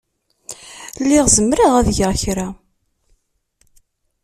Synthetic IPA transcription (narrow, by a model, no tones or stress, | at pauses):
lːiʁzəmɾaʁæðʝaʁçɾa